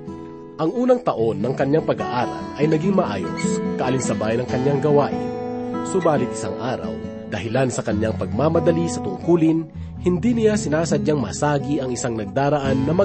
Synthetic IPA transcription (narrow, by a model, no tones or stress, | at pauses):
ʔɐŋʔuːnɐŋt̪ɐʔo̞nːɐŋkɐɲjaŋpɐɡa̰ʔaːɾɐ̰lɐjnɐɡiŋmɐʔaːjo̰skɐʔalinsɐbaːjɐnɐŋkɐɲjaŋɡɐwaʔɪsʊbaːlɪt̪̚ɪ̥saŋʔaːɾɐ̰w | d̪ɐɦɪlansɐkɐɲaŋpɐɡ̚maːmɐd̪ɐlisɐt̪ʊŋkuːlɪn | hɪnd̪inɪjasɪnaːsɐd̪̚ɲaŋmɐsaːɡiʔɐŋɪsaŋnɐɡ̚d̪aːɾɐʔanːɐmɐ